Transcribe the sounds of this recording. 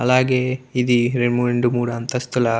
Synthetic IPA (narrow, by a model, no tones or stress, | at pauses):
ɐlaːɡeːid̪iɾeɳmuɾeɳɖumuːɽɐɐnt̪ɐst̪ula